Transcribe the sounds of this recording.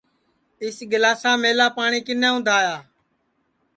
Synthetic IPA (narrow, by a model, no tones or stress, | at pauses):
ɪsɡəlaːsãːmeːlaːpaːɳiːkɪnẽːʊ̃nd̪ʱaːjaː